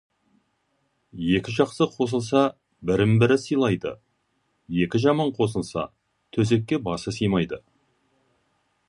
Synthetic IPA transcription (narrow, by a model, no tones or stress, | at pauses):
je̞kʲɪʒɑqsəqʰo̞s̬əlˠsɑ | bɪɾɪmbɪɾɪsəjlˠɑjd̪ə̰ | je̞kʲɪʒɑmɑɴqʰo̞s̬əlˠsɑ̰ | t̪ʰɵz̬e̞kʲːe̞bɑsəsijmɑjd̪ə